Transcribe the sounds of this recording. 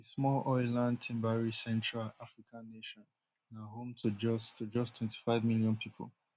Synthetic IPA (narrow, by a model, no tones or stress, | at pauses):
esmɔlʔɔɪlãnd̚tʰɛ̃mbaɹisɛ̃ntʰɹalafɹikʰãnːeʃɔ̃n | naɦõmtʰud͡ʒɔstud͡ʒɔstʰwɛ̃ntʰi̥faɪvmiljɔ̃npʰipʰo̰l